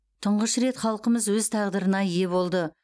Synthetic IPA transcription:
t̪ʰəɴʁəʃɾe̞t̪χɑlˠqəməzwɵzt̪ʰɑʁd̪əɾənɑje̞βo̞lˠd̪ə

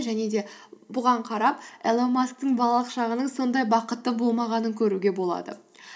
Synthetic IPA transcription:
ʒæne̞d̪e̞bʊʁɑɴqʰɑɾɑpelˠomask̚t̪əɴbɑlˠɑlˠəqʃɑʁənəɴso̞nd̪ɑjbɑqət̪ːəbo̞lˠmɑʁɑnəŋkʲʰɵɾuɡʲe̞bo̞lˠɑ̰d̪ə̰

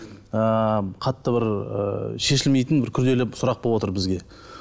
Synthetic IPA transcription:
əqʰɑt̪ːəbɪɾə̰ʃe̞ʃ̬ɪlme̞jt̪ɪnbɪɾkʲʰʏɾd̪e̞lɪsʊɾɑq̚bolˠwo̞t̪əɾbɪzɡʲe̞

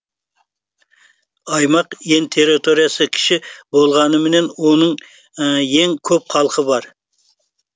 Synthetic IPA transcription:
ɑjmɑqje̞nt̪ʰe̞ɾit̪ʰo̞ɾijasəkʲʰɪ̥ʃɪbo̞lˠʁɑnəmɪne̞nwo̞nəɴ | je̞ŋkʲʰɵp̚qʰɑlˠqʰəbɑɾ

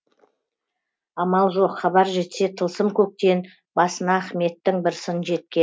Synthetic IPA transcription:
ɑmɑlˠʒo̞qχɑβɑɾʒe̞t̪se̞t̪ʰəlˠsəmkʲʰɵk̚t̪e̞n | bɑsənɑːχme̞t̪ːɪŋbɪɾsənʒe̞t̪̚kʲe̞

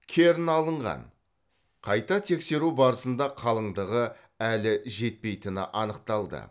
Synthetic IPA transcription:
kʲʰe̞ɾɪnɑlˠəɴʁɑ̰n | qʰɑjt̪ɑt̪ʰe̞kse̞ɾubɑɾəsənd̪ɑqʰɑlˠəɴd̪əʁə | ælɪʒe̞t̪̚pe̞jt̪ɪnɪ̰ʔɑnəq̚t̪ɑlˠd̪ə̰

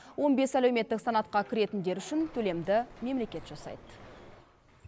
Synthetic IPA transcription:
wo̞nbe̞sælewme̞t̪ːɪksɑnɑt̪qɑkʲʰɪɾe̞t̪ɪnd̪e̞ɾʏʃɪnt̪ʰɵle̞md̪ɪme̞mle̞kʲe̞t̪ʒ̥ɑsɑ̰jd̪

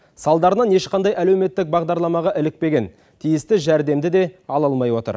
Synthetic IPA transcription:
sɑlˠd̪ɑɾənɑnje̞ʃqʰɑnd̪ɑjælewme̞t̪ːɪk̚bɑʁd̪ɑɾlˠɑmɑʁɑʔɪlɪk̚pe̞ɡʲe̞n | t̪ʰijɪst̪ɪʒæɾd̪e̞md̪ɪd̪e̞ɑlˠɑlˠmɑjwo̞t̪ə̰ɾ

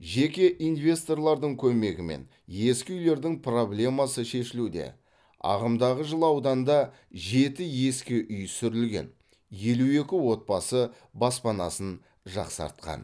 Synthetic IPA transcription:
ʒe̞kʲe̞ʔinvʲe̞st̪o̞rlˠɑɾd̪əɴkʲʰɵme̞ɡʲɪme̞̰n | je̞skʲɪʏjle̞ɾd̪ɪŋpʰro̞blʲe̞mɑsəʃe̞ʃɪlud̪e̞̰ | ɑ̰ʁəmd̪ɑʁəʒəlˠɑwd̪ɑnd̪ɑ | ʒe̞t̪ɪje̞skʲɪʔʏjsʏɾɪlɡʲe̞̰n | je̞lue̞kʲɪwo̞t̪̚pɑsə | bɑspɑnɑ̰sən | ʒɑ̰qsɑ̰ɾt̪̚qɑ̰n

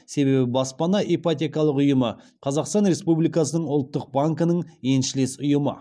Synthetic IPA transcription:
se̞be̞bɪbɑspɑnɑʔepat̪ʲe̞kɑlˠəqʊjəmə | qʰɑzɑqst̪ɑnɾe̞spublijkɑsənəɴʊlˠt̪ːəq̚baŋkənəɴje̞nʃɪle̞sʊjəmə̰

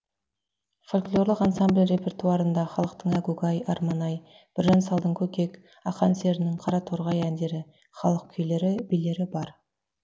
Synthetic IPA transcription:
folʲklʲˠo̞ɾlˠəqɑnsamblʲre̞pʰʲe̞rt̪uɑɾənd̪ɑχɑlˠəq̚t̪əɴæɡuɡɑjɑɾmɑnɑj | b̥ɪɾʒɑnsɑlˠd̪əɴkʲʰɵkʲe̞k | ɑqɑnse̞ɾɪnɪŋqʰɑɾɑt̪ʰoɾʁɑjænd̪e̞ɾɪ | χɑlˠəq̚kʲʰʏjle̞ɾɪbijle̞ɾɪbɑɾ

